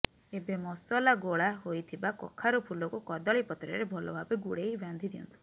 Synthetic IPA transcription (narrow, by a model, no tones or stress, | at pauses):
ebemɔsɔlaɡoɭaɦojt̪ʰibakɔ̰kʰaɾupʰulɔkukɔd̪ɔɭipɔt̪ɾɔɾebʱɔlɔ̰bʱabeɡuɽejband̪ʱid̪iɔ̰nt̪ʰu̥